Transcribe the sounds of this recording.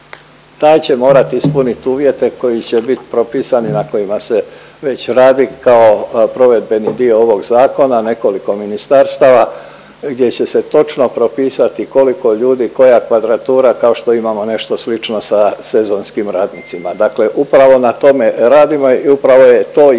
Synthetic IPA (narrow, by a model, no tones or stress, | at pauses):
t̪aːjt͡ɕe̞mo̞ːɾat̪iispunit̪uːʋje̞t̪e̞ko̞jit͡ɕe̞bit̪i̥pɾo̞piːsaninako̞jimase̞ | ʋe̞t͡ɕɾaːd̪ikao̞pɾo̞ʋe̞d̪̚be̞nid̪io̞oʋo̞ɡzaːko̞nane̞ko̞liko̞minist̪aɾst̪aːʋa | ɡd̪je̞t͡ɕe̞se̞t̪o̞t͡ʃno̞pɾo̞piːsat̪iko̞liko̞ʎuːd̪iko̞jakʋad̪ɾat̪uːɾakao̞ʃt̪o̞imamo̞ne̞ʃt̪o̞slit͡ʃno̞sase̞zo̞nskimɾaːd̪nit̪simad̪akle̞ʔupɾaʋo̞nat̪o̞me̞ɾaːd̪imo̞iupɾaʋo̞jet̪oː